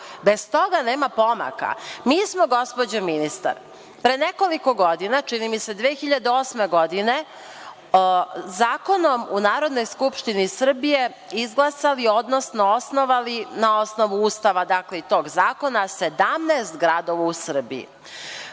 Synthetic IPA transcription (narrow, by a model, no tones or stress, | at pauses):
be̞zt̪o̞ɡaneːmapo̞ma̰ka̰miːsmo̞ɡo̞spo̞d͡ʑominist̪a̰ɾ | pɾeneko̞liko̞ɡo̞d̪inat͡ʃinimise̞d̪ʋeːxiʎad̪eoːsme̞ɡo̞d̪ine̞ | zaːko̞no̞munaːɾo̞d̪no̞jskupʃt̪inisr̩bije̞ | izɡlˠasalio̞d̪nosno̞osno̞ʋalinao̞sno̞ʋuuːst̪aʋad̪akleit̪o̞ːɡzaːko̞nase̞d̪amnɛːst̪ɡɾad̪o̞ʋausr̩bḭḭ